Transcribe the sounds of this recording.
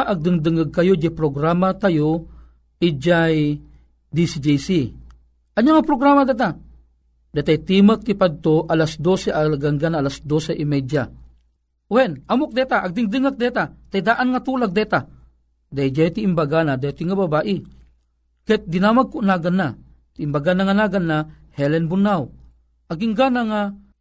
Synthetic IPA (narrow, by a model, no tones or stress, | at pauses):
ʔaɡ̚d̪ɨŋd̪ɨŋaɡ̚kɐjod͡ʒajpɾoɡɾaːmat̪ajo | ʔɪd͡ʒaj | d̪isid͡ʒejsi | ʔɐɲaŋapɾoɡɾaːmad̪ɛt̪a | d̪at̪ajt̪iːmak̚t̪ɪpad̪̚t̪oʔalasd̪osɛʔaɡaŋɡanʔalasd̪osɛʔɪmajd͡ʒa | wɛnamok̚d̪ɛt̪aʔaɡ̚d̪ɪŋd̪ɨŋak̚d̪ɛt̪at̪ajd̪aʔanŋat̪uːlaɡ̚d̪ɛt̪a | d̪ajd͡ʒajt̪iʔːmbaɡanad̪at̪ɪŋababaːʔɪ | kɛt̪̚d̪ɪnaːmaɡ̚kʊʔnaɡanːa | t̪iimbaɡanaŋanaɡanːahɛlɛnbʊnːaw | ʔɐɡiŋɡanaŋa